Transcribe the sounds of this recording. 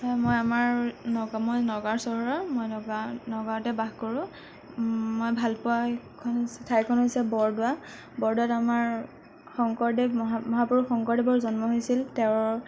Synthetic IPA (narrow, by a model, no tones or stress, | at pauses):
sajmojamaɹnɔɡmojnɔɡaɹsɔɦɔɹɔmojnɔɡanɔɡatɛbaxkɔɹʊ̃ | mojbʱalpʊa | kʰɔnosɛtʰajkʰɔnɦojsɛbɔɹdʊwa | bɔɹdʊwatamaɹ | xɔŋkɔɹdɛmɔɦamɔɦapuɹuxɔŋkɔɹdɛbɔɹzɔnmɔɦojsiltɛʊ̃ɹ